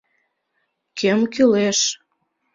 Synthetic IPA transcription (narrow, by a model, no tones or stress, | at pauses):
kʰemkyleʃ